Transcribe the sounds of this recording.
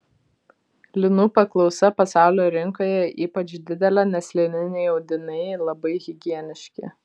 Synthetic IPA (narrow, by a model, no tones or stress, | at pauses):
lʲɪnuːpɐklˠɒʊsɐpɐsɑˑʊlʲoːɾʲɪŋkoːjɛiːpɐt͡ʃd̪ʲɪd̪ʲɛlʲænʲɛsʲlʲɪnʲɪnʲɛɪɒʊd̪ʲɪnɐɪlˠɐbɐɪɣʲɪɡʲiɛnʲɪʃʲkʲɪ̰